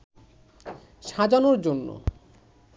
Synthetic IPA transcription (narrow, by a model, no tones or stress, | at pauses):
ʃad͡ʑanoɾd͡ʑonːo̰